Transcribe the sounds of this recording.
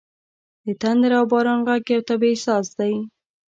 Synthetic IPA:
d̪̥ət̪and̪əɾawbɑɾɑnɣaɡjawt̪abesɑsd̪aj

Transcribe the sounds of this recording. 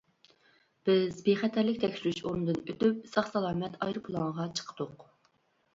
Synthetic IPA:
b̥ɪzbeχæt̪ʰæɾlɪkʲt̪ʰɛkʲsyɾyʃoɾund̪ɨnøt̪yp̚sɑχsɑlˠɑːmɛt̪ʰɑ̰jɾɨpʰulˠɑŋʁɑt͡ʃʰə̥qʰə̥d̪̥ʊq

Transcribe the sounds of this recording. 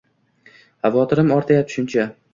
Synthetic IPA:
havɒt̪ʰɪɾɪmɒɾt̪ʰajap̚ʃʊnt͡ʃʰa

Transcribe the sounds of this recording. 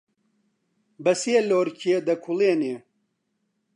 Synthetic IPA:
bɐsieloːɾcʰied̪ɐkʰuleːneː

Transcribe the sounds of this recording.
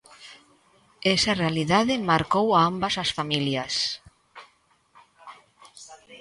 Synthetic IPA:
esarealiðaðɪmaɾkowaambasasfamiljas

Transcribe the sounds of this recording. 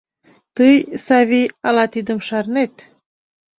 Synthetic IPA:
t̪ɨjsɑviɑlɑt̪id̪əmʃɑɾnet̪

